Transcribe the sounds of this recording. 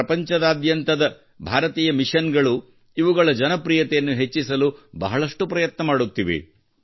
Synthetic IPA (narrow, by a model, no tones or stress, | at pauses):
ɐpɐɲt͡ʃɐd̪aːd̪jɐnt̪ɐd̪ɐ | bʱaːɾɐt̪iːjɐmiʂɐnɡɐɭu | iʋuɡɐɭɐd͡ʒɐnɐpɾiːjɐt̪ɛjɐnːuɦet͡ʃːisɐlubɐɦɐɭɐʂʈupɾɐjɐt̪nɐmaːɽut̪ːiʋḛ